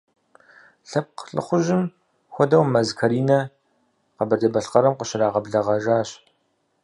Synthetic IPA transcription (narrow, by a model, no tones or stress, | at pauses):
ɬɐp̚qɬɨ̰χʷʊʒɪm | xʷɔdɐwmɐzkʰɐɾiːnɐ | qɐbɐrdɐbɐɬqɐɾɐmqəʃɪɾaːʁɐbɮɐʁɐʒaːɕ